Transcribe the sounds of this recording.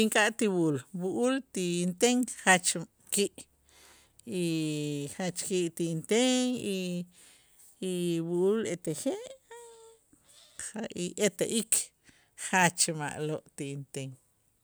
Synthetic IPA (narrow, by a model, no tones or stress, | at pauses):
iŋkʼaʔt̪iwuulwuʔult̪int̪eŋχat͡ʃ | kiʔ | iχat͡ʃkiʔt̪iint̪eŋi | wuʔulet̪eχeʔ | aiʔet̪aʔikʰ | χat͡ʃma̰ʔloʔt̪iint̪eŋ